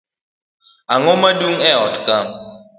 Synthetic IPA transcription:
aŋɔmaduŋɛɔtka

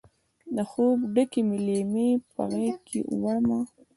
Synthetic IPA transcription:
d̪əxobɖəkemɪlemepa̰ɣekʰḛʔwaɽma

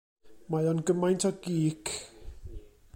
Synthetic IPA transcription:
majɔnɡəmajntʰɔɡiːkʰ

